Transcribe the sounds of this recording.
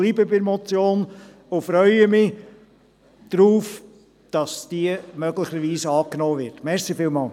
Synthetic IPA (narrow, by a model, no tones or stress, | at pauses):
liːbəbɪɾmɔt͡sjoːn | ʊfɾœʏəmɪ | d̥ɾuːf | d̥ɑsd̥iəmœɡlɪχəɾʋiːsɑːknoːvɪɾtmɛɾsifɪːlmɑːl